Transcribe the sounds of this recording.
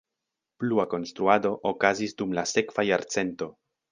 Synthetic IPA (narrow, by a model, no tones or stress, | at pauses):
pluako̞nst̪ɾuado̞ʔokazisdumlase̞kv̥ajaɾt͡se̞nto̞